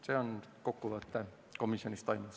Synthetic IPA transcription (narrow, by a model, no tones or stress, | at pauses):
se̞ːo̞nko̞kːuvɤt̪ːˑe | ko̞misjo̞nʲist̪ɑjmus